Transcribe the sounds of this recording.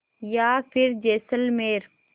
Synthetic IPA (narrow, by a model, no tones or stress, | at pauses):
jaːfʰɪɾd͡ʒeːsəlmeːɾ